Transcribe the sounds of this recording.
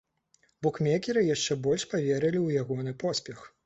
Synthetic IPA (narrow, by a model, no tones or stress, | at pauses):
bɔkmʲɛkʲɛɾɨjaʂt͡ʂɛbɔlʲʂpavʲɛɾɐlʲiwjaɣɔnɨpɔsʲpʲɛx